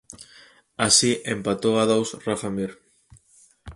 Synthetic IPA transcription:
asiʔempat̪oaðowsrafamiɾ

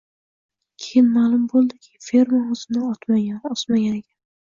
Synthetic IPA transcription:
kʲʰejɪnmaːlˠʊmbolˠd̪ɪkʲʰɪ̥fe̞ɾmaʊzɪnaɒt̪maɡʲanɒsmaɡʲanekʲʰan

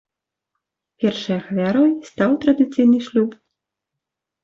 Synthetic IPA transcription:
pʲɛrʂɐjɐxvʲaɾɔjst̪awt̪ɾɐd̪ɨt̪sɨjnɨʂlʲup

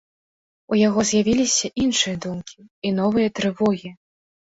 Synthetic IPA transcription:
ujaɣɔzʲjavʲilʲisʲɐʔinʂɨjɐd̪umkʲiinɔvɨjɐt̪ɾɨvɔɣʲi

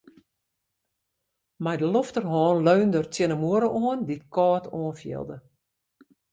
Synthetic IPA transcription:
mɛjdəloftərɦɔːnløɥndərtjɪnəmuəɾəʔoənditkɔːtʰoənfjɪ̰lˠdə

